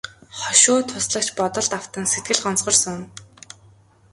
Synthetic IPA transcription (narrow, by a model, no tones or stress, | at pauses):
χɔʃʊːt̪ʰːʊsɮə̆k̚t͡ɕpɔt̪ɞ̆ɮt̪aw̥t̪ə̆nset̪ɡɘ̆ɮɢɔnt͡sʁɞ̆rsʊn